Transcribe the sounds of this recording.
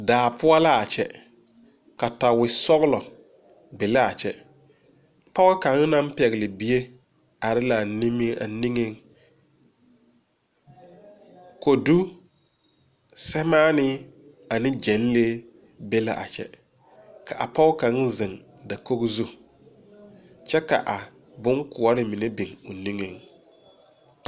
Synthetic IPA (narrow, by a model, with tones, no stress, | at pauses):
daː˨pʊ˦a˦la˦a˨t͡ʃɛ̰˨ | ka˨ta˨wɪ˨sɔ˦ɣlɔ˨ | bɪ˨la˦a˨t͡ʃɛ˨ | pa˦wka˨ŋ˦na˦m˦pɛ˨ɣɪ˨lɪ˨bi˦je˦ | a˨ɾɪ˦la˨ni˦m˦a˨ni˦ŋe˦ŋ | ko˨du˦ | sɛ˦maː˦nɪ˦ | a˨nɪ˦d͡ʒɛ˨˦n˦le˦ | be˦la̰˨ʔa̰˨t͡ʃɛ̰˦ | ka˨ʔa˨pa˦wka˨˦ŋ˦zɪ˨ŋ | da˨ko˦ɣzu˦ | t͡ʃɛ˦ka̰˨ʔa˨ | bʊ˦ŋkʊ˨ɔ˦ɾɪ˦mɪ˨ne˦bɪ˨ŋʊ˨ni˦ŋe˨ŋ